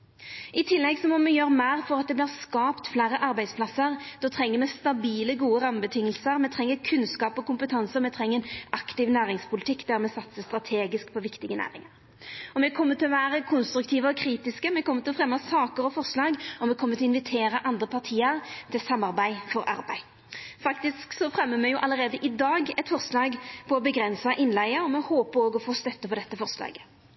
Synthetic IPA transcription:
ɪt̪ʰɪlːɛɡsɔmɔmɛjøːʁmæːʁfɔʁɑt̪̚d̪ɛblɪːʁskɑːpt̪flæːɾəʔɑɾbæɪspʰlɑsəʁd̪̥ɔt̪ʰʁɛŋːəɾmɛst̪ɑbiːləɡuːəʁɑmbət̪ʰɪŋːəlsəʁmɛt̪ʰʁɛŋːəɾkʰʉnskɑːpɔkʊmpət̪ʰɑnsəʁmɛt̪ʰɾɛŋːəɛnɑkt̪ɪʋnæːɾɪŋspʰʊlɪt̪ʰɪkːd̪æʁmɛsɑt̪səst̪ɾɑt̪ʰeːɡɪskpʰɔʋɪkt̪ɪɡənæ̰ːɾɪŋəɾ | ɔmɛkʰɔmːət̪ɪlɔʋæːʁəkʰʊnst̪ɾʉk̚t̪ʰiːʋəɔkʰɾiːt̪ɪskəmɛkʰɔmːət̪ɪlɔfʁɛmːɑsɑːkəɾɔfɔʁslɑːɡɔmːɛkʰɔmːət̪ɪɔɪnʋɪt̪ʰeːɾəʔɑnd̪ʁəpʰɑʁt̪ʰiːəʁt̪ʰɪlsɑmːɑʁbæɪfɔɾʔɑ̰ɾbæɪ | fɑkt̪ɪsksɔfɾɛmːəmɛjʊʔɑləɾeːd̪əʔɪd̪ɑːɡɛt̪fɔʁslɑːɡpʰɔɔbəɡʁɛnsɑʔɪnlæɪəɔmɛhoːpəoːɡɔfoːst̪œt̪ːəpʰɔd̪ɛt̪ːəfɔʁslɑ̰ːɡə̥

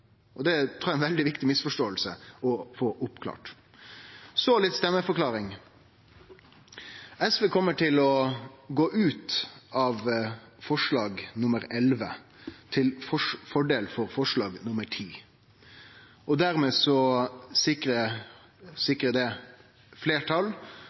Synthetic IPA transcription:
ʔɔd̪ɛt̪ʰɾuːæɛnʋɛld̪ɪʋɪkt̪ɪmɪsfɔʂʈoːəlsə̰ɔfoːʔʊpkʰlɑ̰ːʈ | sɔlɪt̪st̪ɛmːəfɔɾkʰlɑːɾɪŋ | ɛsʋeːkʰɔmːəʈʰɪlɔɡoːʔʉːt̪ʔɑːʋfɔʂlɑːɡnʊməɾɛlʋə̰ | t̪ʰɪlfɔfɔɖeːlfɔɾfɔʂlɑːɡnʊməʈʰiː | ɔd̪æɾmeːsɔsɪkɾə | sɪkɾəd̪ɛ | fleːʈʰɑl

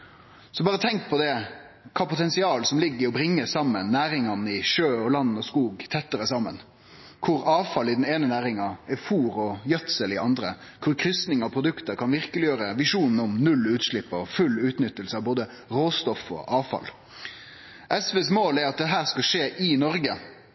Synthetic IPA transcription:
sɔbɑːʁət̪ʰɛŋk̚pʰɔd̪ɛ | kʰɑːpʰʊt̪ʰɛnsɪɑːlsɔmlɪɡːɪɔbɾɪŋːəsɑmːənːæːɾɪŋɑnəɪʃøːɔlɑnːɔskuːɡt̪ʰɛt̪ːəɾəsɑmːə̰n | kʰʊɾɑːʋfɑlɪd̪n̩eːnənæːɾɪŋɑɛfuːɾɔjœt̪səlɪʔɑnd̪ɾə̰ | kʰʊɾkʰɾʏsnɪŋɑpʰɾʊd̪ʉkt̪əɾkʰɑnʋɪʁkəlɪjøːɾəʋɪʂuːnn̩ɔmnʉlʉːt̪ʂɭɪpːɔ̰fʉlːʉːt̪nʏt̪ːəlsəɑʋboːd̪ə | ɾoːst̪ɔfɔ̰ʔɑːʋfɑ̰l | ʔɛsʋeːsmoːlæɾɑt̪̚d̪ɛɦæːʁskɑʂeːʔɪnɔɾɡə

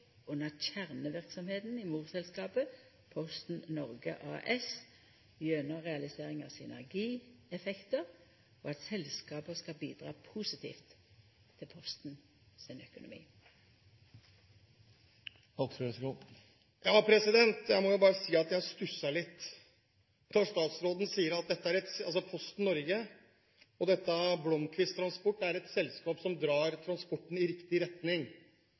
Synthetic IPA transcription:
ʊnːəçæʁnəʋɪʁksɔmheːt̪n̩ɪmuːʁsɛlskɑːpə | pʰɔst̪n̩nɔʁɡə̰ʔɑ̰ːʔɛs | jœnəʁɛɑlɪseːʁɪŋɑ̰sʏ̰næ̰ʁɡiːɛfɛkt̪əʁ | o̰ːɑt̪sɛlskɑːpəskɑlbiːd̪ʁɑ̰ːpʰusɪt̪ʰḭːft̪ʰː | ɪlpʰɔst̪n̩ | sɪnœkʊnʊ̰mḭː | ɑksɾɛsku | jɑːpʰɾɛsɪd̪ɛnt̪jæɪmɔjʊbɑːɾəsiːɑt̪jæst̪ʉsːɑɭɪt̪ː | t̪ʰɑʂt̪ɑːt̪sɾoːd̪n̩siːəɾɑt̪̚d̪ɛt̪ːəæɾɛt̪ɑ̰lsɔpʰɔst̪n̩nːɔɾɡə | ɔd̪ɛt̪ːəblɔmkʰʋɪst̪ʰɾɑnspɔʈːæɾɛt̪sɛlskɑːpsɔmd̪ɾɑːɾt̪ʰɾɑnspɔʈːn̩ɪɾɪkt̪ɪɾɛt̪nɪŋ

